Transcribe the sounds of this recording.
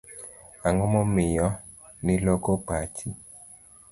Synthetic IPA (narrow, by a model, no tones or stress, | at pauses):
aŋɔmɔmɪjɔ | nɪlokopat͡ʃi